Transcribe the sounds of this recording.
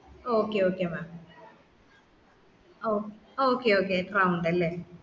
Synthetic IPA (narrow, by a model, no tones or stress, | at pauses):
okeoːkemaː | oooːkeoːkeːt̪raːuɳɖɐlːeː